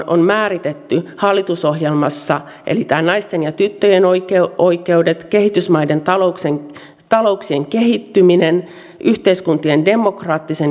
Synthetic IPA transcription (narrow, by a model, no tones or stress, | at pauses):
o̰nmæːrit̪et̪ːyhɑlːit̪uso̞hjelmɑsːɑ | ʔḛlit̪æːnɑist̪enjɑt̪yt̪ːøjenoikeoike̞udet̪ke̞hit̪ysmɑide̞nt̪ɑlokseŋ | t̪ɑlo̞uksieŋkehit̪ːyminen | ʔyht̪eiskunt̪iende̞mokrɑːt̪ːisen